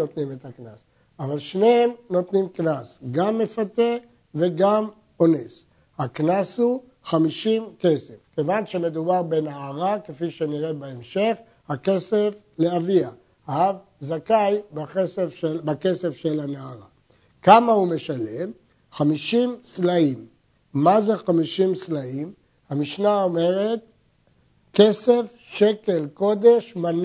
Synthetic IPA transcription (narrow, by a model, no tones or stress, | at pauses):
ot̪nimet̪aknas | avalʃne̞emno̞t̪nimknasɡamːe̞fat̪e | ve̞ɡam | o̞ne̞s | haknashu | χamiʃimke̞se̞fkevanʃe̞me̞d̪ubaʁbe̞naːʁakefiʃe̞niʁebaemʃe̞χ | hake̞se̞f | leavia | av | zakajbaχesefebake̞se̞fʃelanaaʁa | kamahume̞ʃalem | χamiʃimslaimː | aze̞χamiʃimslaim | hamiʃnao̞me̞ʁet̪ | ke̞se̞f | ʃe̞ke̞lko̞d̪eʃman